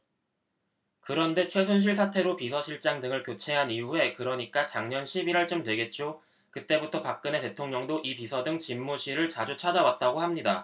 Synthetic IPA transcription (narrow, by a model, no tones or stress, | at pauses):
kɯɾʌnde̞t͡ɕʰwe̞s̬ʰonɕ̬ʰiɭs̬ʰatʰe̞ɾopisʰʌɕʰiɭt͡ɕ͈aŋdɯŋɯɭkjot͡ɕʰe̞ɦaniue̞kɯɾʌɲik͈at͡ɕaŋɲʌnɕʰibiɾʌɭt͡ɕ͈omtwe̞ɡe̞t̚t͡ɕ͈o | kɯt͈e̞butʰʌpak̚k͈ɯne̞te̞tʰoŋɲʌŋdoʔipisʰʌdɯŋt͡ɕimːuɕʰiɾɯɭt͡ɕad͡ʑut͡ɕʰad͡ʑawat̚t͈aɡohamɲida